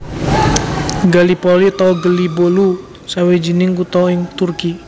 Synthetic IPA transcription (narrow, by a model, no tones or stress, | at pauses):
ɡalipɔlit̪ɔɡəlibolu | sawed͡ʒinɪŋkut̪ɔɪŋt̪urki